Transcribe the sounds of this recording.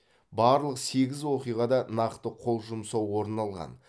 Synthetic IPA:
bɑɾlˠəqse̞ɡʲɪzwo̞qijʁɑd̪ɑnɑqt̪əqʰo̞lˠʒʊmsɑwwo̞ɾnɑlˠʁɑ̰n

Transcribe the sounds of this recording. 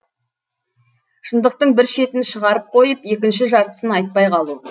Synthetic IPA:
ʃənd̪əq̚t̪əɴbɪɾʃe̞t̪ɪnʃəʁɑɾəp̚qʰo̞jəpe̞kʲɪnʃɪʒɑɾt̪ə̥sənɑjt̪̚pɑjqʰɑlˠu

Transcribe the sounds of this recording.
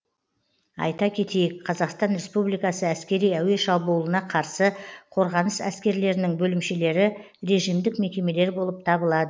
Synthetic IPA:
ɑ̰jt̪ɑkʲʰe̞t̪e̞jɪkqʰɑzɑqst̪ɑnɾe̞spublijkɑsəæskʲe̞ɾijæwe̞ʃɑbuːlˠənɑqʰɑɾsəqʰo̞ɾʁɑnəsæskʲe̞ɾle̞ɾɪnɪŋbɵlɪmʃe̞le̞ɾɪ | ɾe̞ʒijmd̪ɪkme̞kʲe̞me̞le̞ɾbo̞lˠəp̚t̪ʰɑbəlˠɑd̪ə

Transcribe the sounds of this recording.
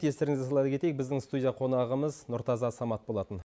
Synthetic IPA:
jest̪eɾɪŋɪzesɑlˠɑjd̪əkʰʲe̞t̪ejek̚bɪzd̪ɪŋst̪ud̪ʲijaqʰo̞nɑʁəməznʊɾt̪ɑzɑsɑmɑt̪̚bo̞lˠɑt̪ən

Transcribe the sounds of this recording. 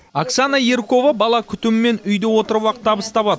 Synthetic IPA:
aksanɑje̞ɾko̞vabɑlˠɑkʲʰʏt̪ɪmɪme̞nʏjd̪ewo̞t̪əɾwɑqt̪ʰɑbəst̪ɑpɑt̪

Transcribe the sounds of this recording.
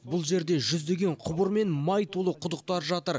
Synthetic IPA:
bʊlˠʒe̞ɾd̪e̞ʒʏzd̪e̞ɡʲe̞ɴqʰʊbəɾme̞nmɑjt̪ʰolˠəqʰʊd̪əq̚t̪ɑɾʒɑt̪əɾ

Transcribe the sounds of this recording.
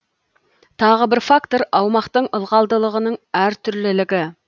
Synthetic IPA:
t̪ʰɑʁəbɪɾfakt̪o̞ɾɑwmɑqt̪əɴəlˠʁɑlˠd̪əlˠəʁənəɴæɾt̪ʰʏɾlɪlɪɡʲɪ

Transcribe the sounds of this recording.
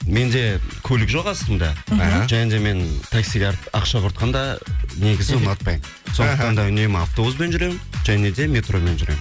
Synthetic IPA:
me̞nd̪e̞kʲʰɵlɪkʒo̞qɑst̪əmd̪ɑʒænd̪e̞me̞nt̪ʰaksiɡʲɑqʃɑqʰʊɾt̪̚qɑnd̪ɑne̞ɡʲɪzt̪pɑj | so̞nət̪ɑnd̪ɑʏne̞maft̪obuzbe̞nʒʏɾe̞mʒæne̞d̪e̞mʲe̞t̪ro̞me̞nʒʏɾe̞̰m

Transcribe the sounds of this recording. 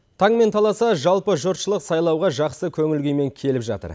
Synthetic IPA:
t̪ʰɑɴme̞nt̪ʰɑlˠɑsɑʒɑlˠpəʒʊɾt̪ʃəlˠəqsɑjlˠɑwʁɑʒɑqsəkʲʰɵŋɪlɡʲejme̞ŋkʲʰe̞lɪpʒɑ̰t̪ə̰ɾ

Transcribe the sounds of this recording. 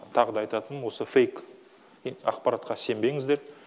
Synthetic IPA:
t̪ʰɑʁəd̪ɑɑjt̪ɑt̪ənwo̞səfʲe̞jk | ɑ̰qpɑɾat̪qɑse̞mbe̞ŋɪzd̪e̞ɾ

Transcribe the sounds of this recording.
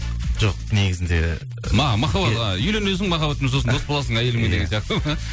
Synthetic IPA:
ʒ̥oq̚neɡʲɪzɪnd̪ḛ | mɑmɑχɑbɑʁɑjʏlenwɵzd̪ɪŋmɑχɑbɑt̪ɪmzosənʰosbolˠɑsəɴæjelɪmed̪eɡʲensijɑqt̪əm

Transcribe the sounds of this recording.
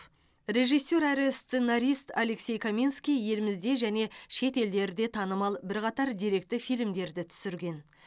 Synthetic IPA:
re̞ʒijsʲːo̞ɾæɾɪst̪senaɾʲijst̪ale̞ksʲe̞jkʰomʲinskʲijje̞lɪmɪzd̪e̞ʒæne̞ʃe̞t̪e̞ld̪e̞ɾd̪e̞t̪ʰɑnəmɑlˠbɪɾqɑt̪ɑɾd̪iɾe̞k̚t̪ɪfijlmd̪e̞ɾd̪ɪt̪ʰʏ̥sɪɾɡʲe̞n

